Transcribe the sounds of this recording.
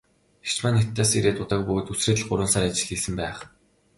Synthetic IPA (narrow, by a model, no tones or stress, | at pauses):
xe̥t͡ɕmaːnet̪ʰːaːsiɾeːt̪ʊt̪ăːk̚pɵɣoːt̪usreːt̪ə̆ɮɢʊɾʊ̆ːnsaːɾat͡ɕɪ̆ɮ̥xiːsɘ̆mpæːχ